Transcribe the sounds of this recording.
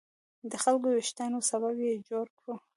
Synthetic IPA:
d̪əxalkowɪʃt̪anosaβabjed͡ʒoɾkɽu

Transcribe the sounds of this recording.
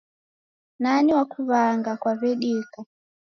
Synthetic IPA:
naniwakuβaŋɡakwaβɛɗika

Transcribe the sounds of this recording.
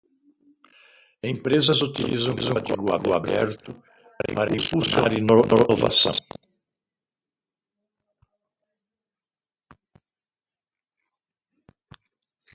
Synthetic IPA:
ẽmpɾezɐzut̪ilizɐ̃w̃zɐ̃at̪ḭɡʊa̰ɡʊabɛ̰ɾt̪ʊ | paɾaɾɐĩpuskɐaɾinoova̰sɐ̃w̃

